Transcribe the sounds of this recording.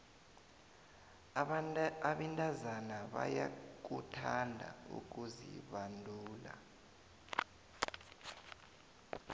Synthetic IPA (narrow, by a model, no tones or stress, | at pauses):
aɓintʼazanaɓa̰jak̬utʰandʱa̰ṵk̬uzḭɓandʱuːla̰